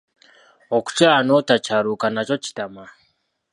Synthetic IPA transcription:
oku̥caːnotacaɾukanaco̞ci̥tama

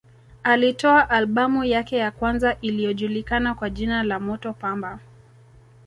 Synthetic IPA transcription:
alitɔaʔalɓamujakɛjakwanzaʔilijɔʄulikanakwaʄinalamɔtɔpamba

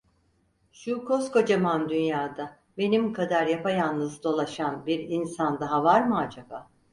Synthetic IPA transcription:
ʃukʰo̞sko̞d͡ʒamand̪ynjaːd̪a | be̞nimkʰad̪aɾjapajannɯzd̪o̞lˠaʃanbiɾinsand̪aɦavaɾmɯad͡ʒaba

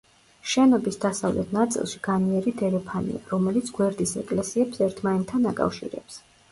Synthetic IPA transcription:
ʃɛnɔbisd̪asavlɛ̰t̪ʰnat̪sʼḭlˠʃi̥ɡ̥aniɛɾid̪ɛɾɛpʰanḭa̰ɾɔmɛlit̪sʰɡ̥wɛɾd̪isɛkʼlɛsiɛpsɛɾt̪ʰmaɛnt̪ʰːanakʼa̰fʃḭɾɛ̰ps

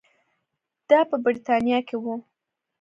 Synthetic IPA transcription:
d̪̥ɑpəbɪɾit̪ɑnjɑkewu

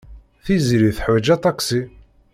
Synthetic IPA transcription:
θiziɾiθħwæd͡ʒæt̪ˤɑksi

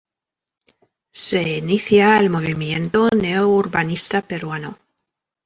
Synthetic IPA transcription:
se̞iniθjaelmo̞β̞imjent̪oneouɾβanist̪apeɾwano

